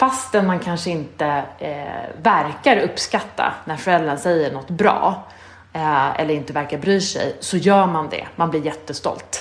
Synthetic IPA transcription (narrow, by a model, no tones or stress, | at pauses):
fast̪ɛnmankʰanʂəɪnt̪ə | væɾkaɾɵpskat̪ːa̰næɾfœɾɛlːənsɛjːəɳɔt̪ːbɾɑ̰ː | ɛ̰lːəɾɪnt̪əvæɾkaɾbɾyːʂɛ̰jsɔjœːmand̪ɛ̰manblɪɾjɛt̪ːəst̪ɔ̰lt̪